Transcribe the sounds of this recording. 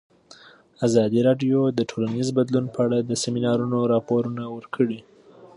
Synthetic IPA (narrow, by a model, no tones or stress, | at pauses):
azɑd̪iɾɑɖjod̪əʈʰolanizbad̪lunpəaɽad̪əseminɑɾunoɾɑpoɾunawəɾkʰəɽi